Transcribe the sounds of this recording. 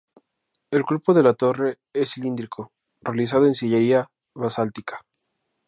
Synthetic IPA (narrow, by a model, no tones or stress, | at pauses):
e̞lklupoðe̞lat̪o̞re̞ | esilind̪ɾikʰo | realis̬að̞oe̞nsiʝeɾia | βasalt̪ikḁ